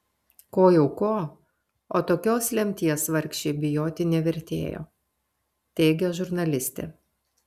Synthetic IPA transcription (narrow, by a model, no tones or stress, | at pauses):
koːjɛʊkoː | oːt̪oːkʲoːslʲɛmʲt̪ʲiɛsʋɐɾʲkʃʲt͡ʃʲɛɪbʲɪjoːt̪ʲɪnʲɛʋʲɛɾʲt̪ʲḛːjo̰ː | t̪ʲɛɪɡʲɛʒʊɾnɐlʲɪsʲt̪ʲḛ